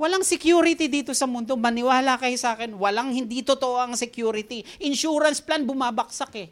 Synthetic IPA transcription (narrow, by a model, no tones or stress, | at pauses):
wɐlaŋsɪkjuːɾɪt̪id̪iːt̪o̞sɐmʊnd̪o̞mɐnɪwaːlakɐjosaːkɛnwɐlaŋhɪnd̪it̪ot̪oʔoʔɐŋsɛkjuːɾɪt̪iʔɪnʃuːɾɐnsplanbʊmaːbɐk̚sakɛ